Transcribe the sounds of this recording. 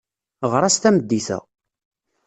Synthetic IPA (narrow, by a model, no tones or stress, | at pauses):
ʁɾˤæst̪æməd̪ːiθæ̰